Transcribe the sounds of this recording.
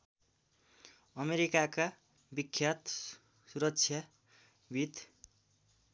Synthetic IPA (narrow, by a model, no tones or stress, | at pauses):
ʌmeɾikaka | bikʰːjat̪ | suɾʌk̚t͡sʰja | bʱit̪